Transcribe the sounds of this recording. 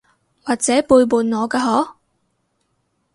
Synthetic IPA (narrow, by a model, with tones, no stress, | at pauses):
waː˨k̚t͡sɛː˨˥puː˧jpuː˨nŋɔː˨˧kaː˧ɦɔː˨˥